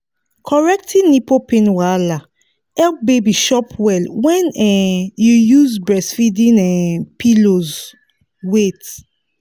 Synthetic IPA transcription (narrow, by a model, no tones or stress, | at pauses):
kʰɔɹɛk̚tʰĩnipopẽnwala | ɛlpbebiʃɔpʰwɛlwɛ̃nɛjujuzbɹɛsfidĩnɛpʰiloz | wet